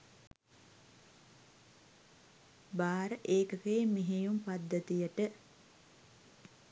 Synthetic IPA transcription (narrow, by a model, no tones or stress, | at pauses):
baːɾəʔeːkəkeːmeɦejumpad̪ːət̪ijəʈə